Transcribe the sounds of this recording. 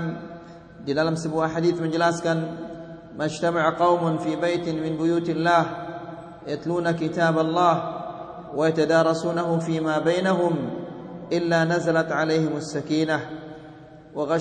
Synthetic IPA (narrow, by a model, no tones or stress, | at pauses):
d̪ilaːlamsabuːʔaħad̪iːθmad͡ʒlaːskaːn | mad͡ʒt̪amaʕqɑwmafiːbajt̪mɪnbʊjuːt̪alːaːh | jat̪luːnakɪt̪aːbɑlˤːɑːh | wɪjat̪ad̪ɑːɾˤɑsuːnaɦʊfiːmaːbaːnaɦʊmʔɪlːaːnazalat̪ʕalejhɪmasːakiːna | wɪɣa